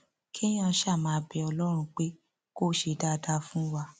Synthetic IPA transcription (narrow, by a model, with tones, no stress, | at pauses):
kʰi˦j̃ã˧˦ʃa˦˨mã˨˧˦bɛ˨˧ɔ˧lɔ˦ɾ̃ũ˧k͡pe˦ | ko˦ʃe˧˨da˦da˦fũ˦wa˧